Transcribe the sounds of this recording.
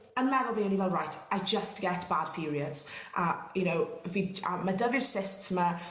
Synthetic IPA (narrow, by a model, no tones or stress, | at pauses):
ənmɛɾəlˠviə̃nivɛlˠɹajtʰajd͡ʒəst̚ɡ̥ɛtb̥ad̥̚pʰɪːɹiədz̥ʔəjənowviə̰mːədəvɪɹ̥sɪstsmə